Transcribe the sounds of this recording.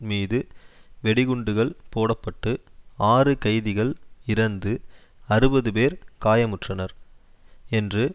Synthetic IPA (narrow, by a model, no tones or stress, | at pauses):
miːðɯʋɛɽɪɣʊɳɖɯɣɐɭpoːɽɐpːɐʈːɯaːrɯkɐɪðɪɣɐɭɪɾɐnd̪ɯ | ɐɾɯbɐðɯpeːɾkaːjɐmʊʈrɐnɐɾ | ɛndrɯ